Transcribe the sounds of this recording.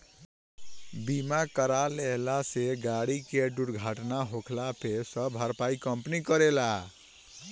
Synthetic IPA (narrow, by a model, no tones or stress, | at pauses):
bimakəɾalelaseɡaɽikeɖuɽɡʱaʈnaɦokʰlapʰesəbɦəɾpaikəmpnikəɾela